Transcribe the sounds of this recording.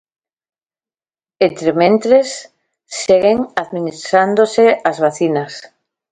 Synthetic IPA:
ent̪ɾemẽnt̪ɾesː | eɣeŋaðminist̪ɾand̪oseazβaθinas

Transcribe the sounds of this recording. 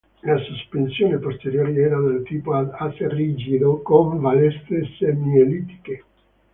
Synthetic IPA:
lasuspensjoːnepost̪eɾjoːɾiɛːɾanelt̪iːpoaasrid͡ʒid̪okoɱvalɛst̪esemiolit̪i̥ke

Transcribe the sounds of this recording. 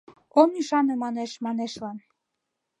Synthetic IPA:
omyʃɑnemɑneʃmɑneʃlɑn

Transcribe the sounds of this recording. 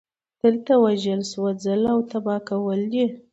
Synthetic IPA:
d̪̥əlt̪awaʒəlswad͡zalawt̪abɑkawəld̪i

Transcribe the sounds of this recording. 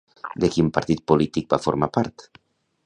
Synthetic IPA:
d̪ekimpaɾt̪it̪̚polit̪ik̚bafoɾmapaɾt̪

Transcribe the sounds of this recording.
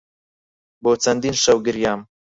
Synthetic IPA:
boːt͡sʰɐnd̪inʃɐwɡɨɾjaːm

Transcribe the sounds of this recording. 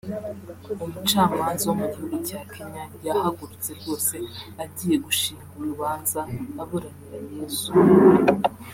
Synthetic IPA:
umut͡ʃaːmaːnzaomuɟihuɡucaːkʰeɲajahaɡuɾut͡se̞ɾjo̞ːse̞aɟiːje̞ɡuʃiːŋɡuɾuβaːnzaːβoɾaniɾaje̞ːzu

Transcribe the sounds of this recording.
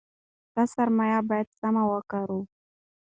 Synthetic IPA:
d̪̥asaɾmajabajad̪̚samawəkaɾu

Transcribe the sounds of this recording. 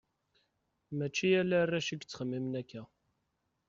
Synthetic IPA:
mæt͡ʃːijælærːæʃiɡt͡sːχəmːimnækːæ

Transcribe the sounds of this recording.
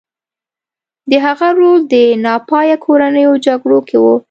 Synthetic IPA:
d̪əɦaɣaɾold̪ənɑpɑjakʰoɾanəjod͡ʒaɡɽokʰewo

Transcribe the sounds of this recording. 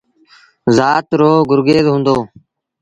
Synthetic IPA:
zaːt̪ɾoːɡʊɾɡeːzɦũːnd̪oː

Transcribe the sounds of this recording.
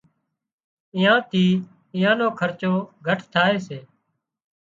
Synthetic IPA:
ɪ̃ːãːt̪ʰiː | ɪ̃ːãːnõːkʰəɾt͡ʃoːɡʱəʈʰt̪ʰaːeːseː

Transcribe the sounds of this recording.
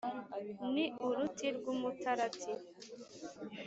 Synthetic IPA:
niuɾutʰiɾɡumutʰaɾatʰi

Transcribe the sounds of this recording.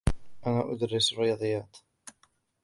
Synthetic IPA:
ʔanaːʔʊd̪aɾːɪsarːɪjɑːd̪ˤɨjːaːt̪

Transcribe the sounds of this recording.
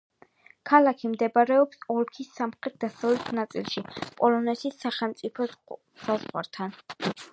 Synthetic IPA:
kʰalakʰimd̪ɛbaɾɛɔpsɔɾkʰisːamχɾɛt̪̚d̪asavlɛt̪ʰnat̪sʼilˠʃipʼɔlˠɔnɛt̪ʰisːaχɛlˠmt̪sʼipʰɔ | sazʁwa̰ɾt̪ʰan

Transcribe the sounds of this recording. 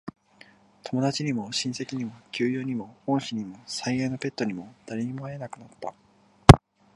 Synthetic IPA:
t̪ʰo̞mo̞d̪at͡ɕiɲ̟imo̞ɕĩɰ̃se̞kʲiɲ̟imo̞kʲɨːjoːɲ̟imo̞õɰ̃ɕiɲ̟imo̞saijaino̞pʲe̞t̪ːo̞ɲ̟imo̞d̪̥aɾʲeɲ̟imoaenakɯ̟nat̪ːa

